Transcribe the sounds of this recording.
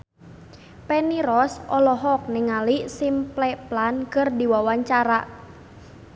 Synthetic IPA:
pɛniɾɔsʔɔlɔɦɔk̚nɪŋalisimplɛplankərdiwawaɲt͡ʃaɾaʔ

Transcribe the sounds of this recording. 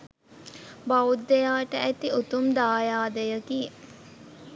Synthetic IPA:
baud̪ːejaːʈəæt̪iut̪umd̪aːjaːd̪əjəɡi

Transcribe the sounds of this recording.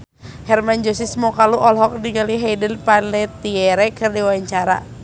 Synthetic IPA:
hɛrmand͡ʒɔsismɔkaluʔɔlɦɔk̚diɡaliɦajdənpanɛt̪iɛɾɛkɨrdiwaɲt͡ʃaɾa̰

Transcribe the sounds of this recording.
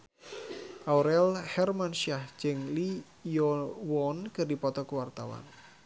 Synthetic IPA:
ʔauɾɛlhɛrmanʃiahd͡ʒəŋli | jɔwɔnkɨrdipɔt̪ɔkuwart̪awa̰n

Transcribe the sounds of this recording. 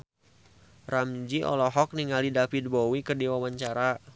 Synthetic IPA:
ramd͡ʒiʔɔ̰lɔɦɔk̚niŋalidafid̚bɔwikərdiwawaɲt͡ʃaɾa

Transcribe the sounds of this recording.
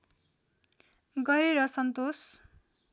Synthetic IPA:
ɡʌɾeɾʌsʌnt̪os

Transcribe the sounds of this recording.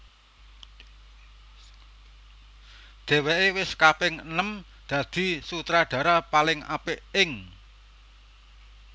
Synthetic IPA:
d̪̥ɛ̤weʔewɪskapɪŋənəm | d̪̥ä̤d̪̥i̤sut̪ɾaɖ̥ä̤ɾapalɪŋa̰pɪʔɪŋ

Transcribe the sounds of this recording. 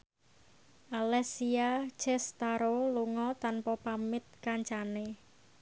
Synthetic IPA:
ʔalɛsiḁt͡ʃɛst̪aɾoluŋɔt̪anpɔpamɪt̪̚kaɲt͡ʃane

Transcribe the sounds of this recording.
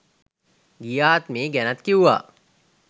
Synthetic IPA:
ɡijaːt̪meːɡænat̪kiuʋa̰ː

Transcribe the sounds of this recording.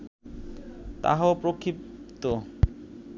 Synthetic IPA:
t̪a̰ɦaopɾokʰːip̚t̪o

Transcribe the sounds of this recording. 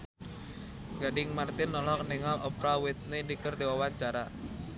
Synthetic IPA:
ɡadɪŋmart̪ɪnːɔlɔkniŋalɔpɾawɪt̪̚nedikərdewawaɲt͡ʃaɾa

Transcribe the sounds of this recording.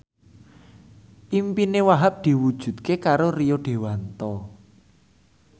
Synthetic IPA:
ʔimpinewaɦap̚d̪̥i̤wud̥ʒ̥ṳt̪̚kekaɾorijoɖ̥e̤want̪ɔ

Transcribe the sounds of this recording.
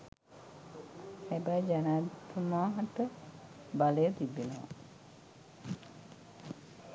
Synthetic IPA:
hɛbɐjd͡ʒanaːt̪ːumaːɦɐʈə | baləjət̪ibːenəʋa̰

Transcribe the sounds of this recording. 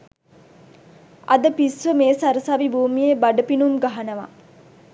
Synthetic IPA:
a̰d̪əpisʋəmeːsaɾəsaʋibuːmijebaɖəpinumɡaɦanəʋa̰

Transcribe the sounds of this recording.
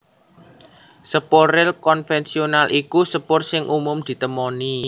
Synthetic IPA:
səpoɾɪlkɔnfɛnsionalʔikusəpʊrsɪŋʔumʊmd̪̥i̤t̪əmɔni

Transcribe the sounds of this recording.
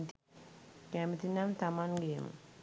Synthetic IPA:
t̪ | kæmit̪inant̪amanɡemṵ

